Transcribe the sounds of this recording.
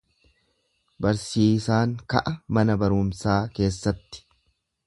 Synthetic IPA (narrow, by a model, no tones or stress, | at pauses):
bɐɾsiːsaːŋkɐ̰ʔɐmɐnɐbɐɾʊːmsaːke̞ːsːɐt̪ːɪ̥